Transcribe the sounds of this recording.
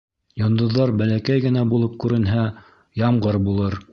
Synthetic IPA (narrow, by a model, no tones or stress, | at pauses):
jŏnd̪ŏðːɑɾbælækæjɡɘ̆næbulˠɤp̚kʉɾɘ̆nɦæ | jɑmɢɤɾbulˠɤɾ